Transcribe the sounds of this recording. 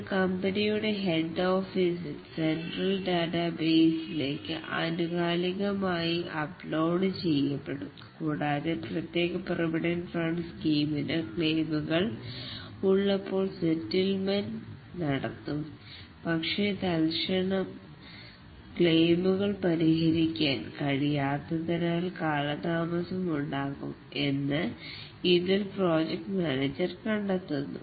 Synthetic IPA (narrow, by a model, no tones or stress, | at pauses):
kɐmbɐnijuɽe̞ɦeɖːo̞ːfisɨ | senɖrɐlɖaːʈabe̞ːsile̞ːkːɨʔɐ̰nuɣaːliɣɐmaːjiʔɐplo̞ːɽɨt͡ɕe̞jːɐpːeɽum | kuːɽaːðeprɐt̪je̞ːɣɐprɐʋiɽɐnfrɐɳɖskiːminɨkɭe̞ːmuɣɐɭ | uɭːɐpːo̞ːɭsetːilmɐnnɐɽɐ̰t̪ːum | pɐkʂe̞t̪ɐlʂɐɳɐm | kɭejmuɣɐɭpɐɾiɦɐɾikʲːaːnkɐɻijaːt̪ːɐðinaːlkaːɭɐt̪aːmɐsɐmuɳɖaːɣṵm | e̞nːɨ | iðilpro̞ːd͡ʑek̚ʈmaːnɐd͡ʑɐrkɐɳɖɐt̪ːunːṵ